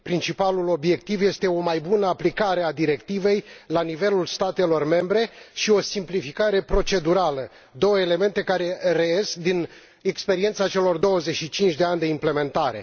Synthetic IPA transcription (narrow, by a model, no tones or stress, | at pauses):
pɾint͡ʃipalulo̞bje̞kt̪ivje̞st̪e̞o̞majbunəaplikaɾe̞ad̪iɾe̞kt̪ive̞jlanive̞lulst̪at̪e̞lo̞rme̞mbɾe̞ʃio̞simplifikaɾe̞pɾo̞t͡ʃe̞d̪uɾalə | d̪o̞wəele̞me̞nt̪e̞kaɾe̞reeskd̪in | e̞kspe̞ɾie̞nt̪sat͡ʃe̞lo̞rd̪o̞wəze̞ʃit͡ʃint͡ʃʲd̪e̞anʲd̪e̞imple̞me̞nt̪aɾe̞̰